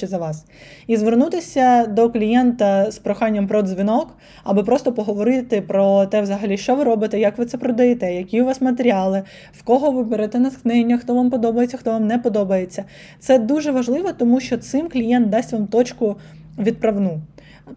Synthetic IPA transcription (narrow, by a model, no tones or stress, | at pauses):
ɛzɐʋɑs | izʋernut̪ɪsʲɐd̪ɔklʲijɛnt̪ɐspɾɔxɑnʲːɐmpɾɔd̪zʲʋʲinɔk | ɐbɪpɾɔst̪ɔpɔɦɔʋɔɾɪt̪ɪpɾɔt̪ɛʋzɐɦɐlʲiʃt͡ʃɔʋɪɾɔbɪt̪ɛjɐkʋɪt̪sɛpɾɔd̪ɐjɛt̪ɛjɐkʲiwʋɑsmɐt̪eɾʲɑlˠɪ | wkɔɦɔʋɪbeɾɛt̪ɛnɐsknɪnʲːɐxt̪ɔʋampɔd̪ɔbɐjet͡sʲːɐxt̪ɔʋɑmnɛpɔd̪ɔbɐjet͡sʲːɐ | t̪sɛd̪uʒɛʋɐʒlˠɪʋɔt̪ɔmuʃt͡ʃɔt̪sɪmklʲijɛnt̪̚d̪ɑsʲtʲʋɑmt̪ɔt͡ʃkʊ | ʋʲid̪̚pɾɐʋnu